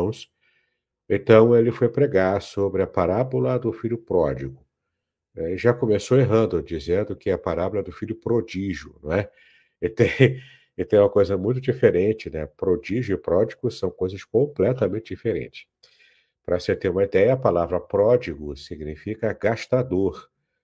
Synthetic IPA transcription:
w̃s | ẽt̪ɐ̃w̃elɪfojpɾeɡaɾsobɾɪɐpaɾabolɐd̪ʊfilʊpɾɔ̰d͡ʒiɡʊ | ɛʒakomesoweɦɐ̃nd̪ʊd͡ʒizẽnd̪ʊkɪɐpaɾabolɐd̪ʊfiʎʊpɾod͡ʒiʒjʊ̰nũɛ | t̪ẽ | t̪ẽj̃umɐkojzɐmũj̃t̪̬ʊd͡ʒifeɾẽt͡ʃɪnɛ̰pɾod͡ʒiʒjʊɪpɾɔd͡ʒiɡʊsɐ̃w̃kojzɐskõplɛt̪ɐmẽnt͡ʃɪd͡ʒifeɾḛ̃t͡ʃɪ̥s | pɾɐset̪ẽɾũmɐid̪ɛjɐːpalavɾɐpɾɔd͡ʒiɡʊsiɡnifikɐɡaʃt̪ad̪oɾ

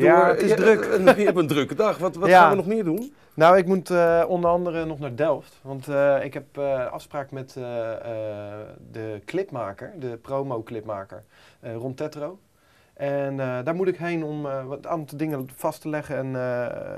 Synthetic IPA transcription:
jaɪdøkbəndrøkədɑxʋɔʋɔjaanʋənɔχmɪːɹdun | nowɪkmutɔndərɑndərənɔχnaːɹdɛlˠftʋɑntɪkɦɛpəɑ̰fspraːkəmɛtə | dəklɪpmaːkəɹdəprowmowklɪpma̰ːkə̰ɹərɔntɛtrow | ʔɛndaːɹmutɪkɦejnɔmantdɪŋəfɑstəlɛχənɛn

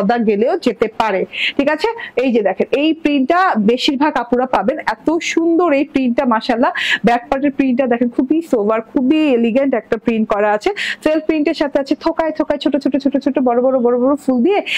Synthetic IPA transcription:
d̪aɡeleod͡ʑet̪epaɾeʈʰikat͡ɕʰeejd͡ʑed̪ɛkʰenejpɾinʈabeʃiɾbʱaɡapuɾapabenɛt̪oʃund̪oɾejpɾinʈamaʃalabɛk̚paɾʈeɾpɾiɳʈad̪ɛkʰenkʰubisobaɾkʰubieliɡeɳʈɛk̚ʈapɾinʈkɔɾaat͡ɕʰet̪ɾelpɾiɳʈeɾʃat̪ʰeat͡ɕʰet̪ʰokaejt̪ʰokajt͡ɕʰoʈːot͡ɕʰoʈːot͡ɕʰoʈːot͡ɕʰoʈːobɔɾobɔɾobɔɾobɔɾofuld̪ie

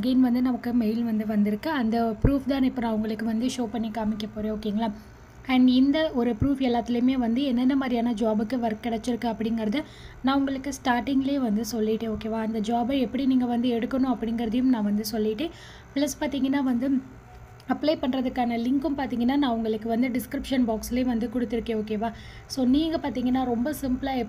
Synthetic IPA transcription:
ɡɐɪnʋɐnd̪ɯnɐmɐkːɯmeɪlʋɐnd̪ɯʋɐnd̪ɪɾɯkːɯɐnd̪ɐpɾuːfd̪ãːnɪpːɐːnãːʋʊŋɡɐɭɯkːɯʋɐnd̪ɯʂoːpɐɳːikaːmɪkːɐpoːɾẽːoːkːeːŋɡɐɭaː | ɐɳɖɪnd̪ɐʔɔɾɯpɾuːfɛlːaːt̪ːɪlɐjɯmeːʋɐnd̪ɯɛnːɛnːɐmaːd̪ɾijaːnɐd͡ʒaːbɯkːɯʋɐɾkːɪɽɛt͡ʃːɪɾɯkːɯɐpːɐɽɪŋɡɐɾɐðɯ | nãːʊŋɡɐɭɯkːɯsʈaːɾʈɪŋɡɪleːʋɐnd̪ɯsɔlːɪʈːẽːoːkeːʋaːɐnd̪ɐd͡ʒaːbɐɛpːɐɽiniːŋɡɐʋɐnd̪ɯɛɽɯkːɐnʊ̃ɐpːɐɽɪŋɡɐɾɐðɐjɯmnãːʋɐnd̪ɯsɔlːɪʈːẽː | plɐspaːɾt̪iːŋɡɐnːaːʋɐnd̪ɯ | ɐpːlɐɪpɐɳɾɐðɯkːaːnɐlɪŋkɯmpaːɾt̪iːŋɡɐnːaːnãːʊŋɡɐɭɯkːɯʋɐnd̪ɯɖɪskɾɪpʂɐnbaːksleːʋɐnd̪ɯkɔɽɯt̪ːɪɾɯkːẽːoːkeːʋaː | soːniːŋɡɐpaːɾt̪iːŋɡɐnːaːɾɔmbɐsɪmplaːɛ

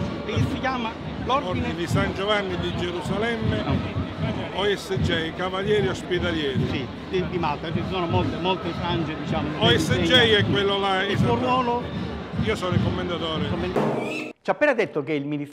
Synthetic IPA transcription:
ekːesːik̬jaːma | loɾd̪ind̪isand͡ʒovanːid̪id͡ʒeɾusalɛmːe | oɛsːed͡ʒɛjkavaljɛːɾiospit̪aljɛːɾisi | d̪id̪imalt̪ːat͡ʃisɔːnomolt̪emolt̪efɾand͡ʒed̪it͡ʃaːmonoɛssed͡ʒɛjɛkːwelːolaɛsuoɾwɔːlo | iːosɔːnoikomːend̪at̪ɔːɾekomːend̪t͡ʃapːɛːnad̪et̪ːokeilmini

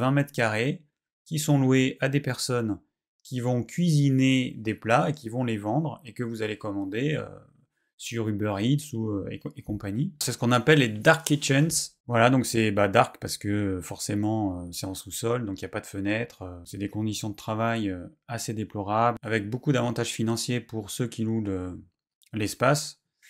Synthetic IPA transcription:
vɛ̃mɛt̪χkaʁe | kʲisɔ̃lweʔad̪epɛʁsɔn | kʲʰivɔ̃kʲɥizined̪eplaekʲivɔ̃levɑ̃d̪ʁekəvuzalekɔmɑ̃d̪eø̰ | syʁybœʁid̪suøḛekɔ̃paɲisɛsə̥kɔ̃napɛlːed̪aʁket͡ʃɛnsvwalad̪ɔ̃ksɛbad̪aʁkpaʁsə̥kəfɔʁsemɑ̃øsɛɑ̃susɔld̪ɔ̃kijapad̪əfənɛt̪χøsɛd̪ekɔ̃d̪isjɔ̃d̪ət̪χavajøased̪eplɔʁablavɛk̚bokud̪avɑ̃t̪aʒfinɑ̃sjepuʁsøkʲilulø | lɛspas

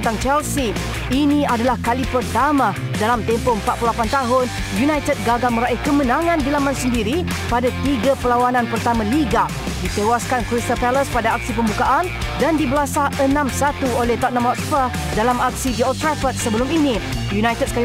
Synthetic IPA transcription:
nt̪aŋt͡ʃɛlsi | inĩadalahkalipərt̪amã | dalamt̪ɛmpompat̪̚plulapant̪aɦʊn | junajt̪əd̚ɡaɡamə̃ɾaihkəmə̃nãŋãndilamansəndiɾi | padat̪iɡapəlawanãnpərt̪amãliɡa | dit̪ewaskankɾist̪ɔpɛləspadaak̚sipəmbukaʔan | dandibəlasaənãmsat̪uolɛht̪ɔʔ̚nãmɔtspa | dalamak̚sidiɔlt̪ɾɛfət̪̚səbəlʊminĩ | junajt̪əd̚ska

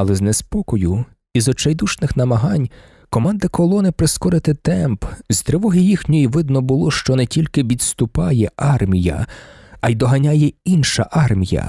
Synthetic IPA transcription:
ɐlˠɛznɛspɔkɔjʊ | izɔt͡ʃɐjd̪uʃnɪxnɐmɐɦɑnʲ | kɔmɑnd̪ɪkɔlˠɔnɪpɾɪskɔɾɪt̪ɪt̪ɛmpz̥t̪ɾɪʋɔɦijixnʲɔjiʋɪd̪nɔbʊlˠɔʃt͡ʃɔnɛtʲilʲkɪʋʲid̪st̪ʊpɑjɛʔɑrmʲijɐ̰ɐjd̪ɔɦɐnʲajɛinʃɐ̰ʔɑrmʲijɐ̰

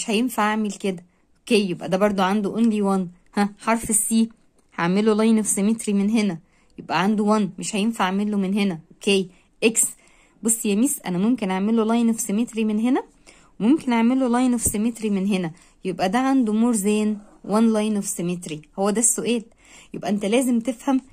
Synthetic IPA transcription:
meʃhæjenfaʕaʕmelked̪æ | ʔʔokeːjjebʔæ̰d̪æbɑɾˤd̪ˤoʕand̪oʔonliwæn | hæħɑɾˤfesːiː | haʕmelolɑjnofsemet̪ɾimenɦenæ | jebʔæʕand̪uwænmeʃhæjenfaʕmelːomenɦenæʔokeːj | ʔeks | bosːjæmiːsʔæ̰næmomkenʔaʕmelolɑjnfsemet̪ɾimenɦenæ | emomkenʔaʕmelolɑjnofsemet̪ɾimenɦenæ | jebʔæd̪æʕand̪umoːɾzæːn | wænlɑjnofsemet̪ɾihowːæd̪æsːoʔæːl | jjebʔæ̰ʔent̪ælæːzemt̪efhæm

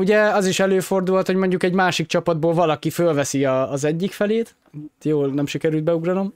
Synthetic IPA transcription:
uɟɛɒziʃɛløːfo̞rd̪ulɦɒt̪ho̞ɟmo̞ɲɟukɛɟmaːʃik̚t͡ʃɒpɒd̪̚boːlvɒlɒkifølvɛsiɒːzɛɟːikfɛleːt̪ | t̪joːlnɛmʃikɛɾylt̪̚bɛuɡrɒno̞m

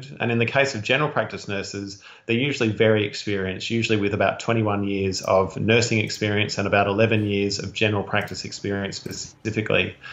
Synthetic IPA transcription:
ɾɨ̰̃ñɨ̃nðɨkʰeɪsʌvd͡ʒɛnə˞l̩ˠpʰɹ̥æk̚tɨsnɜ˞sɪz | ðeɪjʉʒl̩ˠivɛɹiɨ̰kspɪɹiɨ̃nsjʉʒl̩ˠiwɨðɨbaʊtʰw̥ɛ̃ɾ̃iwʌ̃njɪɹzʌ̰vnɜ˞sɪ̃ŋɨkspɪɹiɨ̃nsɨ̃nəbaʊɾəlɛvɨ̃njɪɹzʌ̰vd͡ʒɛnə˞l̩ˠpʰɹ̥æk̚tɨsɨkspɪɹiɨ̃nspɨsɪfɨklḭ

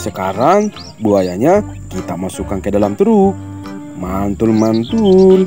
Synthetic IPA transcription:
səkaɾaŋ | buajaɲakit̪amasukankədalamt̪ɾuk̚ | mant̪ʊlmant̪ul

